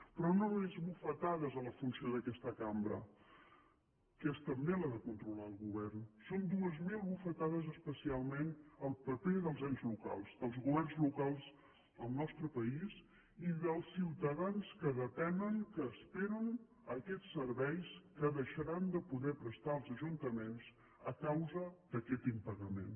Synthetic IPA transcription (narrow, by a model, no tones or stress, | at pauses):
pɾɔnomezβufət̪aðəzələfunsioðəkɛst̪əkambɾə̰ | kɛst̪əmbelaðəkunt̪ɾulaəlˠɣuβɛrnsond̪uəzmilˠβufət̪aðəzəspəsialˠmenəlˠpəpeðəlˠzɛnzluka̰lˠzðəlˠzɣuβɛrnzlukalˠz | əlˠnɔst̪ɾəpəiz | iðəlˠsːiwt̪əðanskəðət̪ɛnəŋkəːspeɾən | əkɛt͡sːəɾβɛjskəðəʃəɾand̪əpuðɛpɾəst̪aəlˠzəʒunt̪əmens | əkawzəd̪̥əkɛt̪impəɣəmḛn